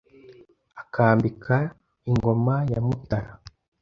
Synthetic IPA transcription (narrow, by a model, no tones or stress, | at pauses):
akʰaːmbikʰa | iŋɡo̞majamutaɾa